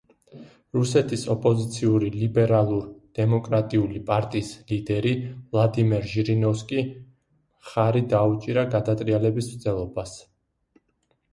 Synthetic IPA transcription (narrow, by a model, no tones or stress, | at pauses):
ɾusɛt̪ʰisɔpʼɔzit̪sʰiuɾilibɛɾalˠuɾd̪̥ɛmɔkʼɾat̪ʼiulipʼaɾt̪ʼiːslid̪ɛɾivlˠad̪imɛɾʒiɾinɔfskʼi | mχaɾid̪aut͡ʃʼiɾaɡad̪at̪ʼɾialɛbismt̪zɛlˠɔbas